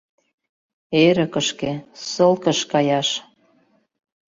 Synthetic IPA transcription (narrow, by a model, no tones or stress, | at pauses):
eɾə̆kə̆ʃkesɤ̆lkə̆ʃkɑjɑʃ